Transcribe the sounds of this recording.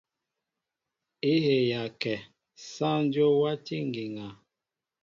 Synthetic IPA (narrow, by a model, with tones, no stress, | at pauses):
i˦he˨ja˨kɛ˨ | sã˦n˦djo˦wa˦ti˦ŋ˨ɡi˨ŋa˨